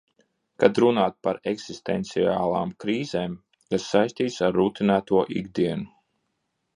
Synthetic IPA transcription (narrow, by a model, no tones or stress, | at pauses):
kad̪ɾunaːt̪̚paɾɛksist̪ɛnt̪siaːlˠaːmkɾiːzeːm | kasːajsʲt̪iːt̪saɾːuːt̪inæːt̪uɔʔḭɡd̪iɛnu